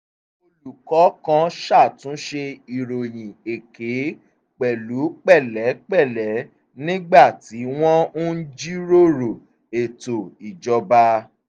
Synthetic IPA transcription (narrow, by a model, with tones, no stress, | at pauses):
o˧lu˨kɔ˨˦kã˧ʃa˦˨tũ˨˦ʃe˧i˨ɾo˨j̃ĩ˨e˨ke˨˦ | k͡pɛ˨lu˨˦k͡pɛ˦˨lɛ˨˦k͡pɛ˦˨lɛ˨˦ | nĩ˦ɡ͡ba˦˨ti˨˦w̃ɔ̃˦u˦d͡ʒi˦ɾo˦˨ɾo˨ | e˨to˨i˨d͡ʒɔ˧ba˧